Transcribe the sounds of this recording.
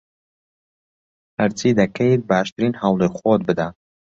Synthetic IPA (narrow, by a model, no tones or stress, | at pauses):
hɐɾt͡sʰiːd̪ɐkʰɐjt̪̚baːʃt̪ɨɾiːnhawlˠexot̪̚bɨd̪a